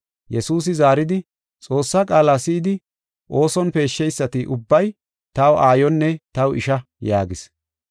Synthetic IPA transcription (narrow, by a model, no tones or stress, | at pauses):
jɛsuːs̬ɪzaːɾɪd̪ɪ | t͡sʼo̞ːsːakʼaːlaːsɪːd̪ɪ | ʔo̞ːsɔnpe̞ːʃːɛjsːɐt̪ɪʔʊbːɐj | t̪ɐwʔaːjɔnːɛt̪ɐwɪʃɐ | jaːɡɪs